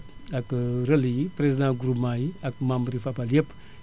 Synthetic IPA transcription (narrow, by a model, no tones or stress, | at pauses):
akɾəlipɾezid̪ãɡuɾumajakmãmbɾifapaljep